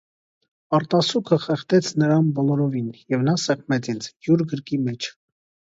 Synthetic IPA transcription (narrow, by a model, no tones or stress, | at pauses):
ɑɾt̪ɑsukʰəχɛχt̪ɛt͡sʰnəɾɑnbɔlɔɾɔvinjɛvnɑsɛχʰmɛt͡sint͡sʰjuɾɡəɾkimɛt͡ʃʰ